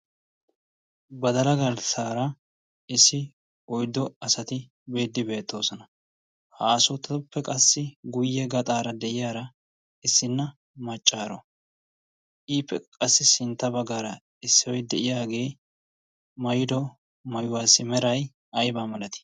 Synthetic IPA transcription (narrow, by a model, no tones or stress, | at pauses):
bɐd̪ɐlɐɡɐlsaːɾɐ | ɪsːɪ | ɔjd̪ːɔɐsɐt̪ɪ | be̞ːd̪ːɪbe̞ːt̪ːo̞ːsɔnɐ | haːsʊt̪ːɐʊpːɛkʼɐsːɪɡʊjːɛɡɐt̪ʼaːɾɐd̪ɛʔɪjaːɾɐ | ɪsːɪnːɐ | mɐt͡ʃʼːaːɾɔ̰ | ʔiːpːɛkʼɐsːɪsɪnt̪ːɐbɐɡːaːɾɐ | ɪsːɪwɔjd̪ɛʔɪjaːɡe̞ː | mɐjɪd̪ɔ | mɐjʊwaːsːɪmɛɾɐj | ʔɐjbaːmɐlɐt̪ɪ̥